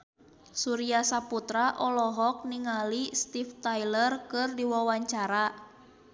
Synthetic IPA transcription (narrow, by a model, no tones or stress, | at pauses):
suɾiasaput̪ɾaʔɔlɔɦɔk̚niŋalist̪ift̪ajlərkɨrdiwawaɲt͡ʃaɾa